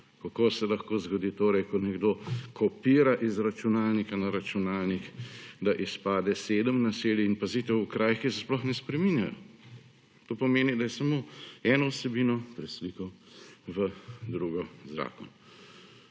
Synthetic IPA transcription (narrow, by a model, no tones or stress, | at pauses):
kakoːsɛlɐxkoːzɡɔd̪iːt̪oːɾɛjkɔnɛɡd̪okɔpiːɾaʔizɾat͡ʃunaːlnikanaɾat͡ʃunaːlnixd̪aʔispaːd̪ɛseːd̪əmnaseːljiːnpaziːt̪ɛwukɾaːjxkisɛsplɔxnɛspɾɛminjajɔ̰ | t̪oːpɔmeːnid̪ajɛsamoːɛːnɔwsɛbiːnɔpɾɛslikɔʋəd̪ɾuːɡɔzɾa̰ːkɔnɔ